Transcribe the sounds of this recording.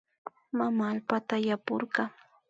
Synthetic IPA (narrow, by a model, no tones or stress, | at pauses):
mamaːlpat̪ajapʊɾɢɑŋ